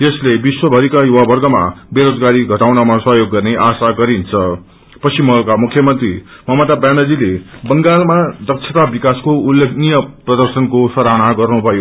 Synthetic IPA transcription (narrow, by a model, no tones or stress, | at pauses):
jeslebiswʌbʱʌɾikajuwabʌrɡʌma̰beɾod͡zɡaɾiɡʱʌʈawnamasʌɦjoɡːʌrneʔasaɡʌɾint͡sʰʌ | pʌsimʌɦlkamukʰjʌmʌnt̪rimʌɦmʌt̪abjanʌd͡zilebʌŋɡalmad̪ʌk̚sʰet̪abikaskoulːekʰnijʌprʌd̪ʌrsʌnkosʌɾañaɡʌrnubʱʌjo